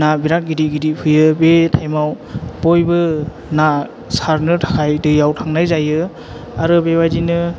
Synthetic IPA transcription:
nabiɾat̚ɡidiɡidipʰɯjɯbetʰajmaw | bɔjbɯ | na | saɾnɯtʰḁkʰajdɯjawtʰaŋnajzajɯ | aɾɯbebadinɯ

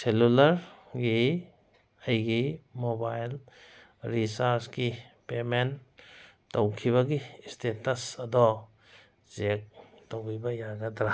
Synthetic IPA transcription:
selulaɾɡi | ɐjɡimobajl | ɾisaɾsɡipemen | towkʰiβɐɡistetɐsɐdɔ | zek̚ | towɡibɐjaɡɐdɾa

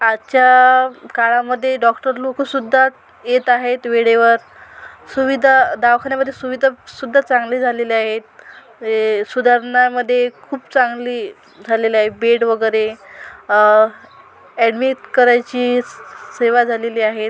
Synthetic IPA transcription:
at͡ɕakaɭaməd̪ʱːjeɖɔkʈəɾlokusud̪ʱːa | jet̪aɦet̪ʋeɽeʋəɾ | suʋid̪ʱad̪aʋkʰanjaməd̪ʱːjesuʋid̪ʱasud̪ʱːat͡sãŋɡliːd͡zʱaleliaɦet̪̚ | sud̪ʱaɾɳaməd̪ʱːjekʰuːpt͡saŋɡliː | d͡zʱaleliaɦebeʈʋəɡəjɾe | ɛɖmiʈkəɾajt͡ɕiːseʋad͡zʱaleliːaɦet̪

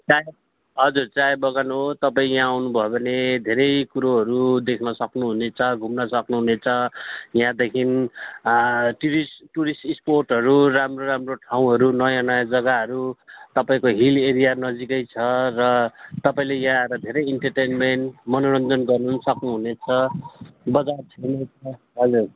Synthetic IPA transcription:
t͡saj | ɦʌd͡zurt͡sajbʌɣanuɦot̪ʌpaĩjãawnubʱʌebʱʌned̪ʱeɾʌjkuɾoɦʌɾud̪ekʰnʌsʌknuɦunet͡sʰʌɡʱumnʌsʌknuɦunet͡sʰʌjãd̪ekʰin | ʈiɾisʈuɾisʈisporʈɦʌɾuɾamroɾamroʈʰaw̃ɦʌɾunʌjʌnʌjʌd͡zʌɡaɦʌɾut̪ʌpaĩkoɦileɾijanʌd͡zikʌjt͡sʰʌrʌt̪ʌpaĩlejaãʌɾʌd̪ʱeɾʌjiɳʈʌrʈenmeɳʈmʌnoɾʌnd̪ʱʌnɡʌrnusʌknuɦunet͡sʰʌ | bʌd͡zat͡sʰʌjnet͡sʰʌ | ɦʌd͡zur

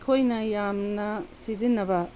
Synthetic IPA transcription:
kʰojnɐjamnɐsizinːɐbɐ

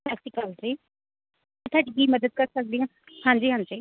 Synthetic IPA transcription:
assikalɾiː | t̪ʰaːɖɡiːməd̪əd̪̚kəɾsək̚d̪iãː | hãːnd͡ʒiːɦãːnd͡ʒiː

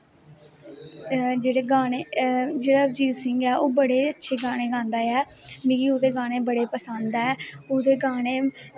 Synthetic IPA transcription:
d͡ʒeːɽeːɡaːneːd͡ʒeːɽaːd͡ʒiːlsɪŋɡɛːʔoːbəɽeːətːʃʰeːɡaːɽ̃eːɡãːnd̪aːɛː | mĩːɡiːoːd̪eːɡaːɽ̃eːbəɽeːpəsə̃nd̪ɛːoːd̪eːɡaːɽeː

